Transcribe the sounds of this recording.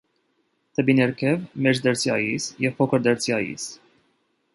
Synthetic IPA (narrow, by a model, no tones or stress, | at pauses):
t̪əbinɛɾkʰɛvmɛt͡ʃd̪əɾt͡sʰjɑjisjɛv̥pʰɔkʰəɾd̪əɾt͡sʰjɑjḭs